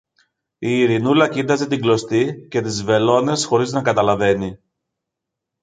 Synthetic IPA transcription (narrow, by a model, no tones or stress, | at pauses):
iːɾinulɐcid̪ɐze̞t̪iŋɡlo̞st̪ice̞t̪izve̞lo̞ne̞sxo̞ɾiznɐkɐt̪ɐlɐve̞ni